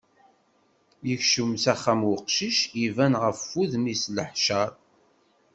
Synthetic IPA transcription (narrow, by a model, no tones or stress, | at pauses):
jəçʃəmsæχːæmwʊqʃiʃivænʁəfːuðmisləħʃəɾˤ